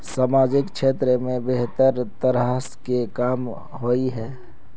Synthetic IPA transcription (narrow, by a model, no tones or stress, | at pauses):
saːmaːd͡ʒɪkʃʰeːt̪ɾəmẽbeɦt̪əɾt̪əɾaːskekaːm | ɦoiɦɛː